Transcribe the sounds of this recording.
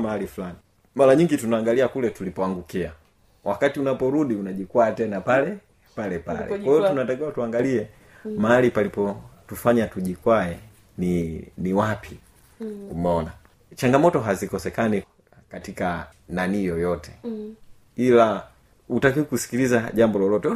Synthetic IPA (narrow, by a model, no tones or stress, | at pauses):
mahalifulani | malaɲiŋɡitunaːŋɡaliakulɛtulipɔaŋɡukia | wʔakatiunapɔɾuɗiunaʄikwaːtɛnapalɛ | palɛpa̰lɛwaɛtunatakiwatuaŋɡaliɛ | mahalipalipɔtufaɲatuʄikwaɛ | niniwapi | kum̩ɔna | t͡ʃaŋɡamɔtɔɦazikɔsɛkani | katika | nanijɔjɔtɛ̥ | ila | utakiukusi̥kilizaɟambɔlɔlɔtɛ